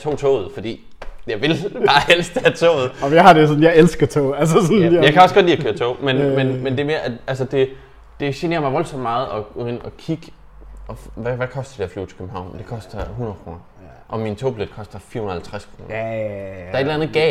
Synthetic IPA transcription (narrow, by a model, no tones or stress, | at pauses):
t͡sʰo̝̰ːt͡sʰo̰ːð̞̩ˠfɒ̽d̥ḭː | jɑ̈ɪʋe̝lb̥ɑ̈ːelsd̥əæt͡sʰo̰ʊð̩ˠɒmjɑ̈hɑ̈desɔ̽n̩jɑ̈ɪelsɡ̥ɐt͡sʰo̰ʊælsəsɔnjɑ̈ɪkʰæɒ̽sɡ̥ɒd̥liːɐkʰøːɐt͡sʰɔ̰ʊ̰menmenmend̥e̝æɐme̝ːɐʔæ̥ʔælsəd̥e̝ | d̥e̝ɕene̝ːɐmɑ̈ʋɒ̽lsɒ̽m̰̥mɑ̈ːð̩ˠɒ̽enɒ̽kʰiɡ̥ | ɒʋæʋækʰɒ̽sd̥ɐ̥d̥eɐfly̰ːt͡sʰe̥kʰøbm̩ɦɑ̈ʊ̰nd̥e̝kʰɒ̽sd̥ɐɦunɐðˠkʰʁo̝ːnɐ | ʔɒ̽mint͡sʰo̝̰ːbled̥̚kʰɒ̽sd̥ɐfḭɐhunɐhælt͡sʰʁaskʰʁo̝ːnɐd̥ɑ̈ɐedlænðˠɡ̥ɛ